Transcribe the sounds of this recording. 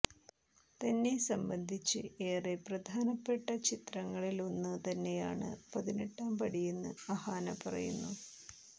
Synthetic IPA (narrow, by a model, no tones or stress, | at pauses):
t̪ɐnːe̞sɐmbɐnd̪ʱit͡ɕːɨ̰e̞ːreprɐd̪ʱaːnɐpːeʈːɐt͡ɕit̪rɐŋːɐɭilonːɨt̪ɐnːe̞ja̰ːɳɨ̰pɐðineʈːaːmpɐɽijunːɨɐhaːnɐpɐrɐ̰junːu